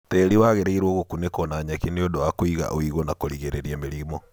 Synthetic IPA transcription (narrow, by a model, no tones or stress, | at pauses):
tɛɾiwaɣeɾeiɾwɔɣokunekɔnaɲakineodowakoiɣa̰ʔoiɣonakoɾiɣeɾeɾiɛmeɾimɔ